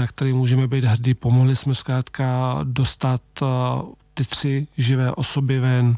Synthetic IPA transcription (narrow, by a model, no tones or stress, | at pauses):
akt̪ɛɾiːmuːʒɛmɛbiːd̪ɦr̩diːpo̞moɦlɪsmɛskɾaːt̪kado̞st̪at̪ | t̪ɪt̪r̥ɪʒɪvɛːʔo̞so̞bɪvɛn